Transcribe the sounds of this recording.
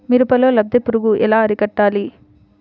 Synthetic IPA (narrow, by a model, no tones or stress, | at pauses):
miɾupɐloːlɐb̚d̪epuɾuɡuʔɛlaːɐɾikɐʈːaːli